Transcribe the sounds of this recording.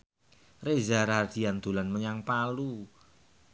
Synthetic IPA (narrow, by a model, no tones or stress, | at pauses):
rezaɾad̥i̤and̪̥ṳlanməɲaŋpalu